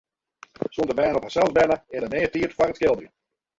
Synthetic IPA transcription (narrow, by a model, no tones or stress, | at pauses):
sondərmɛːnɔphasɛlˠzbɛnəɪnəneːətiətfarətskɪlˠdəjə